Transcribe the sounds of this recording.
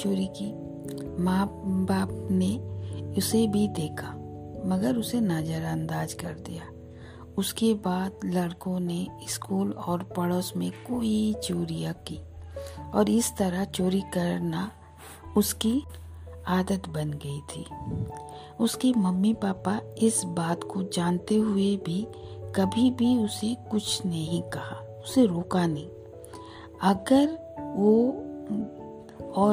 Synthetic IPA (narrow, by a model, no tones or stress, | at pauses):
t͡ʃoːɾikiː | mãːbaːpneʊsebʱid̪eːkʰamɐɡəɾʊsenaːd͡ʒəɾãːnd̪aːd͡ʒkɐɾd̪ijaː | ʊskebaːd̪lɐɽkõneɪskuːlɔːɾpəɽoːsmẽkoːit͡ʃoːɾijakiː | ɔːɾɪst̪əɾat͡ʃoːɾikɐɾna | ʊski | aːd̪ət̪bɐnɡɐit̪ʰiː | ʊskimɐmːipaːpaɪsbaːt̪kod͡ʒaːnt̪eɦʊebʱikɐbʱibʱiʊsekʊt͡ʃʰnɐɦĩkɐha | ʊseɾoːkanɐɦĩː | ɐɡəɾ | ʋo | ɔː